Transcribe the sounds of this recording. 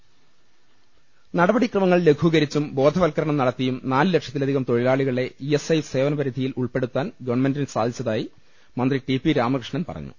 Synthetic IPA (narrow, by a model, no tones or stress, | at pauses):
nɐɽɐbɐɽikrɐmɐŋːɐɭle̞ɡʰʱuɣɐɾit͡ɕːumbo̞ːd̪ʱɐʋɐlkɐɾɐɳɐmnɐɽɐt̪ːijumnaːlɨlekʂjɐt̪ːilɐd̪ʱiɣɐmt̪o̞ɭilaːɭiɣɐɭe̞iesejfse̞ːʋɐnɐpɐɾid̪ʱijiluɭpe̞ɽut̪ːaːnɡɐʋɳmendinsaːd̪ʱit͡ɕːɐðaːji | mɐnd̪riʈipːiɾaːmɐkrɨʂɳɐnpɐ̰rɐ̰ɲːṵ